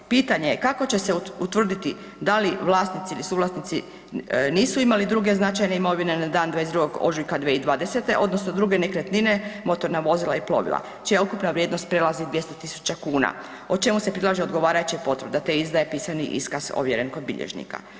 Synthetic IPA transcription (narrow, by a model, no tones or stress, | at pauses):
piːt̪aɲe̞jekako̞t͡ɕe̞seut̪ʋr̩d̪it̪i | d̪aliʋlˠaːsnit̪siilisuːʋlˠasnit̪si | niːsuimalid̪ɾuɡe̞znat͡ʃajne̞imo̞ʋine̞nad̪aːnd̪ʋaezd̪ɾuɡo̞ɡo̰ʒujkad̪ʋeid̪ʋaːd̪e̞set̪e̞ʔo̞d̪no̞sno̞d̪ɾuɡe̞nekɾet̪nine̞mo̞t̪o̞ɾnaʋo̞zilaiplˠo̞̰ʋḭlˠa̰ | t͡ʃijaukupnaʋɾjed̪no̞st̪̚pɾelazid̪ʋje̞st̪ot̪isu̥t͡ɕakuːna̰ | ot͡ʃe̞musepɾilˠaʒeod̪ɡo̞ʋaːɾajut͡ɕapo̞t̪ʋɾ̩d̪at̪eizd̪ajepiːsanḭʔḭskaz̥o̰ʋjeɾenko̞d̪̚bḭʎḛʒnḭka̰